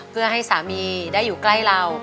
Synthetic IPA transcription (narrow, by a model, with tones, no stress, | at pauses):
pʰɯ˥˩ɐɦa˥˩jsaː˩˦miː˧daː˥˩jːuː˨˩kla˥˩jla˧w